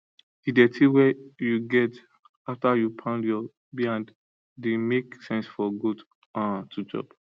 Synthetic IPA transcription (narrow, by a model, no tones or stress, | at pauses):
idɛtʰiwɛjuɡɛt | aftajupʰãʊ̃ndjɔ | biãnd | demeksɛ̃nsfɔɡud | ãtʰud͡ʒɔ̰b